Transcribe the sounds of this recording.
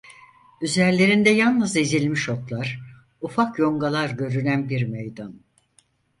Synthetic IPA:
yzæɾlʲe̞ɾind̪ɛjanˠnɯzizilʲmiʃot̪lˠaɾ̥ | ufakjo̞ŋɡalˠaɾɟø̞ɾynænbiɾmejd̪an

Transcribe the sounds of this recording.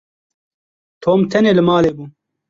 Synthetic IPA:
t̪ʰoːmt̪ʰɛneːlɨmaːleːbuː

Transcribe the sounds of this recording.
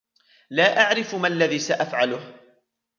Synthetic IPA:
laːʔaʕɾɪfmalːaðiːsaʔafʕalʊh

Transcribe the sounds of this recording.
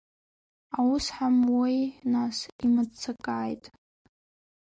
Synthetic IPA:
awʊsħamwijnasimat͡sʰakʼaːjtʼ

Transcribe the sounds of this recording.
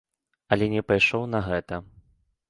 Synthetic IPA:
ɐlʲɛnʲɛpajʂɔwnɐɣɛt̪ɐ

